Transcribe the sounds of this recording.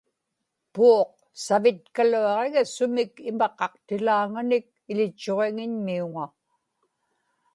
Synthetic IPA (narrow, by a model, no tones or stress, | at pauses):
puoq̚ | savɪt̪̚kaluɑʁeɣasʊmɪkɪmɑqɑqt̪ɪlaːŋanɪk̚ɪlɪt͡ʃːoʁeŋɪɲmiuŋa